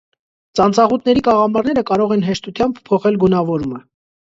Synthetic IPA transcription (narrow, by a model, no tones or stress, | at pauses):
t͡sɑnt͡sɑʁut̪ʰnɛɾikɑʁɑmɑɾnɛɾəkɑɾɔʁɛnɦɛʃt̪ut̪ʰjɑmbpʰːɔχɛlɡunɑvɔɾumə